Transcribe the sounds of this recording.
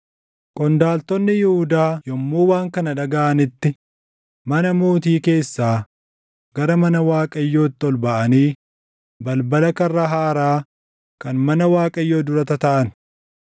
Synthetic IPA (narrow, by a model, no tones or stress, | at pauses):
kʼɔnd̪aːlt̪ɔnːɪjɪhʊd̪aːjɔmːuːwaːŋkɐnɐᶑɐɡaːʔɐnɪt̪ːɪ | mɐnɐmoːt̪iːke̞ːsːaː | ɡɐɾɐmɐnɐwaːkʼɐjːo̞ːt̪ːɪɔlbɐʔɐniː | bɐlbɐlɐkɐrːɐɦaːɾaː | kɐnmɐnɐwaːkʼɐjːo̞ːd̪ʊɾɐt̪ɐt̪ɐʔɐn